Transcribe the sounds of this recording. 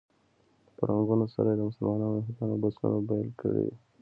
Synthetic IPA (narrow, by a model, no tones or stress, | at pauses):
pəɾaŋɡunosa̰ɾajed̪əmʊsəlmɑnɑnoɦat̪ɑnobasṵnobajɑlkəɽḭ